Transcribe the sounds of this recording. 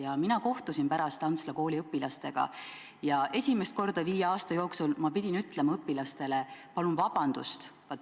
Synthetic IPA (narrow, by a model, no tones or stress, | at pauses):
jɑminɑko̞ht̪usinpæɾɑst̪ɑnt̪slɑko̞ːliɤpːˑilɑst̪e̞ɡ̥ɑ̰ | jɑe̞sʲimest̪̚ko̞rd̪̥ɑviːjeɑːst̪ɑjo̞ːksulmɑpid̥̪ʲinyt̪ˑle̞mɑɤpːilɑst̪e̞lepɑlunvɑb̥ɑnd̪̥ust̪vɑt̪ːˑ